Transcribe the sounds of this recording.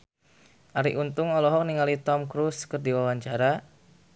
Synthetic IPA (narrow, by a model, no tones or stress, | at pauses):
ʔaɾḭʔunt̪ʊŋɔlɔɦɔk̚niŋalit̪ɔmkɾuskərdiwawaɲt͡ʃaɾa